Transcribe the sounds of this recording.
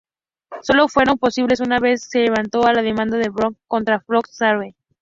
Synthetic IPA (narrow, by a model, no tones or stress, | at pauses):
so̞lofwe̞ɾo̞mpo̞siβle̞s̬unaβe̞sːe̞le̞β̞ant̪o̞alað̞e̞mãnd̪aðeβɾoŋkːo̞nt̪ɾafɾoksaɾwe